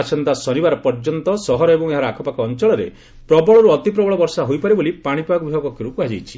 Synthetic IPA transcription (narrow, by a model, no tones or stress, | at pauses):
at͡ʃʰɔnt̪asɔnibaɾɔpɔɾd͡ʒɔnt̪ɔsɔɦɔɾɔebɔŋeɦaɾɔakʰɔpakɔːnt͡ʃɔɭɔɾḛ | pɾɔbɔɭɔɾuɔt̪ipɾɔbɔɭɔbɔɾsaɦojpaɾebolipaɽ̃ipbaɡɔbibʱaɡɔkiɾukuad͡ʒajt͡ʃʰi̥